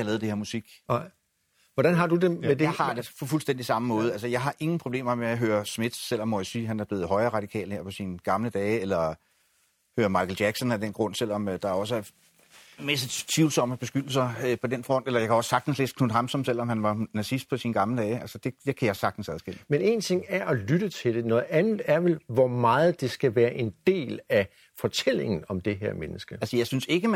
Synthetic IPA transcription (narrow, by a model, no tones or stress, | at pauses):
jlɛːð̞̩ˠdeheɐ̰musiɡ̥ | ʋɒd̥ænɦɑ̈d̥ud̥emedhɑ̈d̥epʰɒ̽fulsd̥en̰d̥isɑ̈məmɔ̽ːðˠælsəjɑ̈ɪɦɑ̈ʔe̝ŋn̩pʰʁob̥le̝̰ːmɐmeaɦøːɐsme̝d̥sel̰ɒ̽mːɒjasiːɦænæɐb̥le̝ːð̞̩ˠɦɒ̽ɪɐːʁɑ̈d̥ikʰɛ̰ːlheɐ̰pʰɒ̽sinɡ̥ɑ̈mləd̥ɛːelɐ | høːɐmɑ̈ɪkl̩d̥jæɡ̥sɒ̽næd̥enɡ̥ʁɔ̽n̰sel̰ɒ̽md̥ɑ̈ɒ̽s̬əæɐ | mesət͡sʰʋiʊlsɒ̽m̰əb̥e̝sɡ̥yd̥l̩sɐpʰɒ̽d̥enfʁɒ̽n̰d̥elɐjɑ̈kʰæɒ̽sːɑ̈ɡ̥̚d̥n̩slḛːsd̥kʰnunɦɑ̈msɒ̽msel̰ɒ̽mhænʋɑ̈næsisd̥̚pʰɒ̽sinɡ̥ɑ̈mləd̥ɛːælsəd̥e̝d̥e̝kʰæjɑsɑ̈ɡ̥̚d̥n̩sæðˠsɡ̥el̰əmene̝ːnt͡sʰe̝ŋ̰æɐɒ̽lyɾ̥ət͡sʰe̝ld̥e̝nɔ̽ːð̩ˠænð̩ˠæɐʋe̝lʋɒmɑ̈ːð̩ˠd̥e̝sɡ̥æʋæːɐʔe̝nd̥e̝̰ːlæ | fɒ̽t͡sʰel̰e̝ŋn̩ɒ̽md̥e̝ɦeɐmenəsɡ̥əælsəjɑ̈ɪsynse̝ɡ̥ə